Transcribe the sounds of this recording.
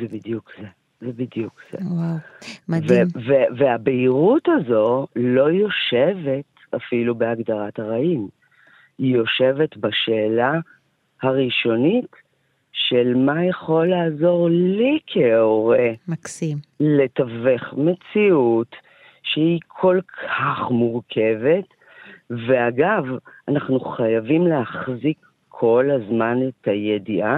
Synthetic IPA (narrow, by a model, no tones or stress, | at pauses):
zebidjukze | zebid̪jukz̥ḛwawmveveveabeiʁutazo̞lo̞jo̞ʃe̞ve̞t | a̰filubeaɡdaʁathaʁaim | ijo̞ʃe̞vetbaʃeːla | haʁiʃo̞nit | ʃelmajaχo̞lːaːzo̞ʁllikʰeoʁemaksimle̞taveχme̞t͡siut | ʃehikʰo̞lkʰaχmuʁkʰe̞ve̞t | ve̞aɡavanaχnuχajavimlehaχzikʰː | o̞lazmanetʰajediʔa